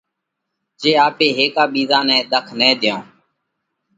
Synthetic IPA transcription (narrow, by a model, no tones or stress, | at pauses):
d͡ʒeːaːpeːɦeːkaːɓiːzãːnɛ̃ːɗ̪əkʰnɛːd̪ɪjõː